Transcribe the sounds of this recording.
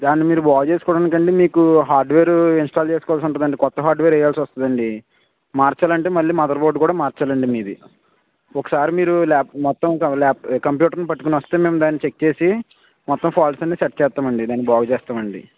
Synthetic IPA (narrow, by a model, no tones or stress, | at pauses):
d̪aːnːimiːɾubaːɡɐt͡ʃeːsu̥kɔːɽaːnikɐɳɖeːmiːkuɦaːɾɖʋeːɾuinsʈaːlt͡ʃe̞ːsu̥kɔʋaːls̬iuɳʈund̪ɐɳɖeːkɔt̪ːɐɦaːɾɖʋeːɾɛjaːlsiʋɐst̪und̪ɐɳɖi | maːɾt͡ʃaːlɐɳʈeːmɐlːiːmɐd̪ɐɾboɖkuːɽaːmaːɾt͡ʃaːlɐɳɖimiːd̪i | ɔkɐ̥saːɾimiːɾulɛːpmɔt̪ːɐmlɛːp̚kɐmpjuːʈɐɾnipɐʈːukoniʋɐst̪e̞ːmeːmd̪aːnːit͡ʃek̚t͡ʃe̞ːsi | mɔt̪ːɐmpʰaːlsɐnːesɐʈ̚t͡ʃɛːst̪ːaːmɐɳɖid̪aːnːibaːɡɐt͡ʃɛːst̪aːmɐɳɖḭ